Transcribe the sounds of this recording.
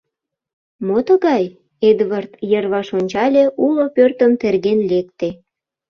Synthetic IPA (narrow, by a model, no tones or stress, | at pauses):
mot̪ə̆ɣɑj | ed̪vɑrt̪jərβɑʃonʲt͡ɕɑlʲeʔulopørt̪əmt̪erɣenlek̚t̪e